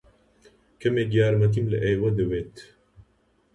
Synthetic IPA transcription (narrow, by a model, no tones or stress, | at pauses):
kʰɐmeɡijaːɾmɐt̪̬imlə̰ʔejwɐd̪əweːt̪